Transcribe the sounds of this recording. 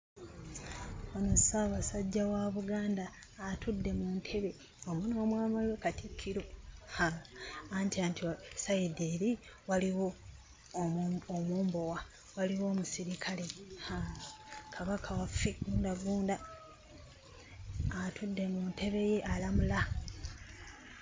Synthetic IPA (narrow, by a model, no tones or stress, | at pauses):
omusawasaɟːawaβuɡaːndaːtudːe̞muntʰe̞βe̞ | omuno̞ːmwaːmaliwe̞katikʰːiɾo̞haantiantiosajideːɾi | waliwo̞ | moːmbo̞wa | waliwo̞ːmusiɾikʰale̞ha | kʰaβakʰawafːe̞ɡuːndaɡuːnda | tʰudːe̞munte̞βe̞je̞ʔalamula